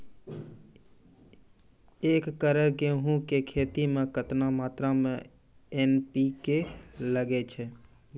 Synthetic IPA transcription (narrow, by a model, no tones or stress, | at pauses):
ekːəɾəɾkeɦũkekʰet̪imekət̪namaːt̪ɾame | enpikeləɡɛt͡ʃʰɛ